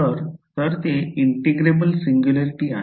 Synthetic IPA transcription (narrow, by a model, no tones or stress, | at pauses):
əɾt̪əɾt̪eiɳʈiɡɾebəlsiŋɡjuləɾiʈiːa̰